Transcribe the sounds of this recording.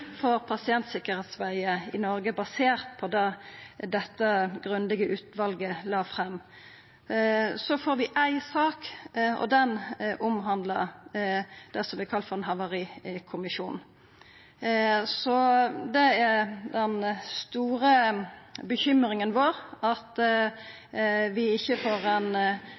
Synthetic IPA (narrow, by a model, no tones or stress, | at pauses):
foːɾpʰɑsɪɛnt̪sɪkəɾheːt̪sʋæɪəɪnɔɾɡəbɑseːʁt̪̚pʰɔd̪ɑd̪ɛt̪ːəɡʁʉnd̪ɪɡəʔʉːt̪ʋɑlɡəlɑːfʁɛmː | sɔfoːɾʋɪʔæɪsɑːkɔ̰d̪ɛnʔʊmɦɑnd̪lə̰ | d̪̥ɛsɔmbɪkʰɑlt̪fɔɾɛnɦɑʋɑʁiːkʰʊmɪʃṵːnn̩ | sɔd̪ɛæɾd̪ɛnst̪uːɾə | bəçʏmɾɪŋənʋoːɾɑt̪ | ʋɪɪçːəfoːɾɛn